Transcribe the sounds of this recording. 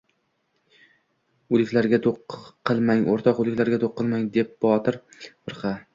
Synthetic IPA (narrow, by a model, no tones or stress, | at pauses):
ʊlˠɪkʲlaɾɡʲat̪ʰoqʰːɨlˠmaŋoɾt̪ʰɒqʊlˠɪkʲlaɾɡʲat̪ʰoqːɨlˠmaŋd̪e̞p̚bɒt̪ʰɪɾbʰɨɾqʰɑ